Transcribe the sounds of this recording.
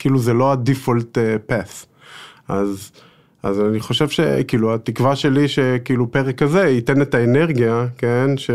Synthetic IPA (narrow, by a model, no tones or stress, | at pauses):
kiːluzelo̞adifoltepas | ʔaz | ʔa̰zaniχo̞ʃe̞vʃe̞̰kiːluatikvaʃe̞liʃekiːlupeʁekaze̞ite̞ne̞taene̞ʁɡijake̞nʃe